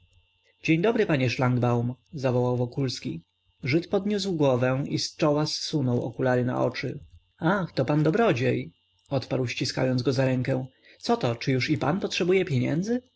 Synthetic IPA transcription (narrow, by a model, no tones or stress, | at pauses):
d͡ʑeɲd̪ɔbɾɘpaɲɛʂlaŋɡbawmzavɔwawvɔkulskʲḭ | ʐɘt̪pɔd̪ɲus̬wɡwɔvɛ̃ist͡ʂɔwasːunɔwɔ̰kulaɾɘna̰ʔɔ̰t͡ʂɘ | axt̪ɔpand̪ɔbɾɔd͡ʑej | ɔt̪paɾwɕt͡ɕiska̰jɔnd̪ɡɔzaɾɛŋkɛw̪̃ | sɔt̪ɔt͡ʂɘjuʂipa̰npɔtʂɛbujɛpʲjeɲɛ̰nd̪zɘ